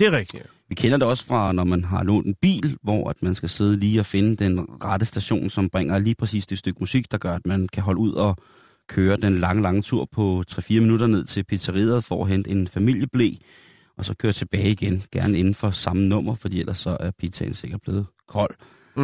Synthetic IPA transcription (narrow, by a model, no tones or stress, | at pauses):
d̥eʁɛɡ̥i | ʋikʰenɐd̥e̝ɒ̽sfʁɑ̈nɒmænɦɑ̈lɔ̰ːnd̥enb̥ḭːlʋɒ̰æd̥mænsɡ̥æse̝ð̞ˠəliːɒ̽fe̝nəd̥enʁɑ̈ɾ̥əsd̥æɕo̝̰ːnsɒ̽mb̥ʁɛŋ̰ɐliːpʰʁɛsḭːsd̥e̥sd̥øɡ̥̚musiɡ̥d̥ɑ̈ɡ̥ɶɐæd̥mænkʰæɦɒ̽ləuð̞̰ˠɒ̽ | kʰøːɐd̥enlɑ̈ŋəlɑ̈ŋət͡sʰuɐ̰pʰɒ̽t͡sʰʁɛfiːɐminuɾɐne̝ð̞̰ˠt͡sʰe̝lpʰi̥t͡sʰɐʁiðˠɐð̩ˠfɒ̰ːæɦen̰d̥əe̝nfæmil̰jəb̥le̝̰ː | ʔɒ̽sɒ̽kʰøːɐt͡sʰe̝b̥ɛːɪiɡ̥enɡ̥æɐnəe̝nn̩fɒ̽sɑ̈mənɔ̽m̰ɐfɒ̽d̥ḭːelɐsːɒ̽ʔæɐpʰi̥t͡sʰæɪnse̝ɡ̥ɐd̚b̥le̝ːð̞̩ˠ | kʰɒ̽l̰